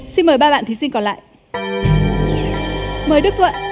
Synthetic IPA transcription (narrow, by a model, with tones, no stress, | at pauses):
si˧nməː˨˩jɓaː˧ɓa̰ː˧˨nt̪ʰi˨˦si˧nkɔ˨˩nla̰ː˧˨j | məː˨˩jɗɨ˦˥k̪̚wə̰˧˨